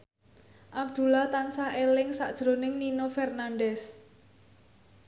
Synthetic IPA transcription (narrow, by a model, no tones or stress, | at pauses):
ʔab̚d̪̥ṳlaht̪ansahelɪŋsaʔd̥ʒ̥ɾo̤nɪŋninofɛrnanɖɛs